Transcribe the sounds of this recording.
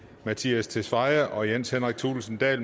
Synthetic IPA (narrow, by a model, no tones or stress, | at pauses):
mæt͡sʰiæst͡sʰe̝sʋɑ̈ɪɐʔɒ̽jen̰shenʁaɡ̥̚t͡sʰuːlsn̩d̥ɛ̰ːl